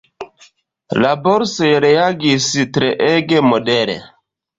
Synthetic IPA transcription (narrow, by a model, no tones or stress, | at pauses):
laboɾsojɾeaɡistɾeʔeɡemodeɾḛ